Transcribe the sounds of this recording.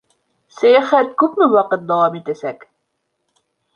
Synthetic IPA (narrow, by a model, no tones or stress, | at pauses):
sæjæχæt̪̚kʉpmɘwɑqɤt̪̚d̪awɑmit̪æsæk